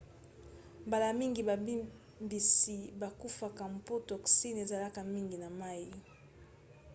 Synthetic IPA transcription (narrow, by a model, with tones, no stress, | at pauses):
mba˨la˨mi˦ŋɡi˨ba˨bi˦ | mbi˨si˨ba˨ku˦fa˨ka˨m˨po˦tɔ˨ksi˦ne˨za˨la˦ka˨mi˦ŋɡi˨na˨ma˦i˨